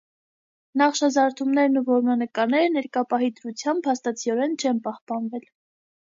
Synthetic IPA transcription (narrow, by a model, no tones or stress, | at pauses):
nɑχʃɑzɑɾt̪ʰumnɛɾnuvɔɾmɑnəkɑɾnɛɾənɛɾkɑpɑɦid̪əɾut͡sʰjɑmbʰːɑst̪ɑt͡sʰiɔɾɛnt͡ʃʰɛnpɑhpɑnvɛl